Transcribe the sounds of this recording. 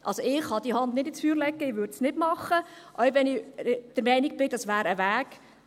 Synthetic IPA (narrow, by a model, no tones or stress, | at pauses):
ʔɑ̰lsoɪχhɑd̥̪ihɑndnɪdɪsfyːɾlɛɡːəɪʋʏɾdsnɪdmɑχːəʔœɥʋɛnɪd̥əɾmɛɪnik̚b̥ɪd̥ɑsʋæːɾəʋæːk